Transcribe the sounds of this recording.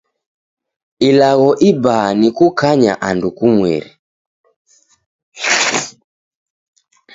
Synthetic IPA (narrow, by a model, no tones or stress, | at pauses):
ilaɣɔʔibaːnikukaɲa̰ʔandukumwɛ̰ɾḭ